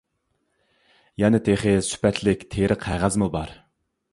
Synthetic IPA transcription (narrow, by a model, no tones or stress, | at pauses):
jɛnɪt̪ʰeχesy̥pɛt̪ʰlɪkʲt̪ʰeɾɪqʰæʁæzmɨbɑɾ